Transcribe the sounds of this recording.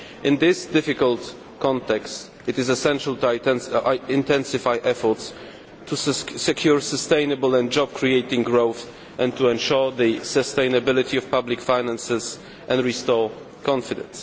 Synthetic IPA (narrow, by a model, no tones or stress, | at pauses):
ʔɪ̃nd̪ɪsd̪ɪfikəlt̪ | kɔ̃nt̪ɛkst | ɨt̪ɨzɛsɛ̃nʃalt̪uɛ̃nʔɪ̃nt̪ɛ̃nsɪfajʔɛfɔɹt̪s | tʰusɛkʰjuɹsəst̪ẽjnəbəlɛ̃nd͡ʒɔb̚kʰɹiejtɪ̃ŋɡɹowθ | ʔɛ̃nt̪uɛ̃nʃɔɹðɨsəst̪ẽj̃nəbɪlɪt̪ʰiɔfpablikfajnãnsɛz | ʔɛ̃ndɹist̪ɔɹ | kɔ̃nfid̪ɛ̰̃ns